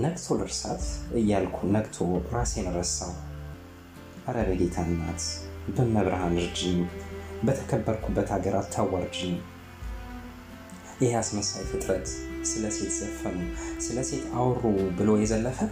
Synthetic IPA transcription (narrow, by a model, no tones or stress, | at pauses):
nəɡt̪ʰo̞lɨɾsa̰t̪ɨjːalkʷʰunəɡt̪ʰoɾasɛnɨɾəsːaw | ʔaɾəβəɡet̪ʰanːat̪bəmːəβɾahanɨɾd͡ʒi | bət̪ʰə̥kʰəbːəɾkʰubːət̪haɡəɾʔat̪ʰːawːaɾd͡ʒi | jɪheasməsajfɨt̪ʼɾət̪sɨləse̞t̪z̥əfənəwsɨləse̞t̪awrːubɨlo̞jɛzəlːəfə